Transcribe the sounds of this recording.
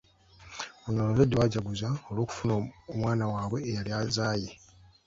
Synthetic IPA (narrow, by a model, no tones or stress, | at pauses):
onolozedːewaɟaɡuzaolwo̞ːku̥funoomwaːnawaːβwe̞ːjaljazaːje